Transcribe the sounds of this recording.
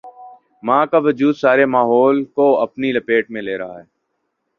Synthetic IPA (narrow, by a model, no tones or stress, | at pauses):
mãːkaːʋəd͡ʒuːd̪saːɾemaːɦɔːlkoəpniləpeːʈmẽleːɾɐɦa̰ɦɛː